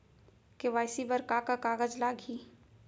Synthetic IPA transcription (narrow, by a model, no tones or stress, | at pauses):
keʋaːjsibəɾkakakaːɣəd͡ʒlaːɡɦiː